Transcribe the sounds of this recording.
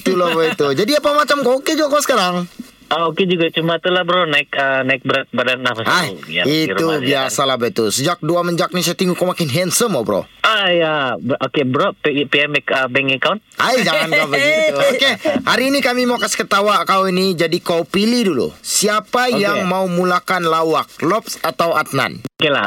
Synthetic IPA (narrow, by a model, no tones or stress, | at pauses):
t̪ulɔbait̪ud͡ʒadiapamat͡ʃamkaoked͡ʒuɡakosə̥kaɾaŋ | aoked͡ʒuɡat͡ʃumat̪ulahbəɾonaɪkənaɪk̚bəɾat̪̚badanlahpasaaiɾubiasalahbait̪usəd͡ʒak̚duaməɲd͡ʒak̚nis̬aat̪iŋukamakɪnɦɛnsəmɔbəɾo̰ajabokebəɾoppeɛmɛkəbɛŋəkawnt̪ʔajd͡ʒaŋankabəɡit̪okehaɾiːnikamimaukasi̥kət̪awakawinid͡ʒadikawpilidulṵsiapajaŋmaumulakanlawak̚lɔpsat̪awat̪na̰nokela̰